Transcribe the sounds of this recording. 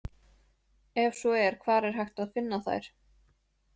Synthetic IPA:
ɛvsɔɛɾ̥kʰvaːɾɛɾ̥ɦajxt̪aðfɪnːaθa̰jɾ̥

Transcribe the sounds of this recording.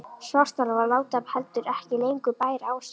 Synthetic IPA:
sɔst̪alavalaːwt̪aphɛlt̪ʏɾɛhcɪlejŋkʏpaːjɾaːws

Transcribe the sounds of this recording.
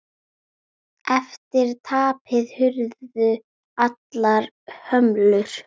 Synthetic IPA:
ɛft̪ɪɾt̪ʰaːpʰɪðhʏɾðʏ | at̪laɾ | hœmlʏɾ̥

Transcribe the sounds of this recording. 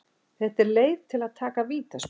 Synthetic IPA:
θɛht̪ɛɾleːjðt̪ʰɪlaðt̪ʰaːkaviːt̪as

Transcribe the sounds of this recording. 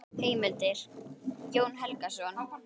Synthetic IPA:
heːjmɪlt̪ɪɾ̥cjoːwnɦɛlkasʏana

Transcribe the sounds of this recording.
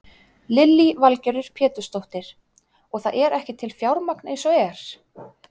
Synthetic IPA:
lɪlːivalcœɾʏɾ̥pʰɛːt̪ʏst̪owht̪ɪɾ̥ | ɔɣθaðʔɛɾɛhcɪt̪ʰɪlfjawɾmaknejnsɔɛɾ̥

